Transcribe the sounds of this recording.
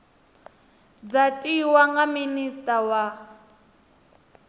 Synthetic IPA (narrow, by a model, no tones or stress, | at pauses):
d͡zatʼiwaŋɡaministʼawa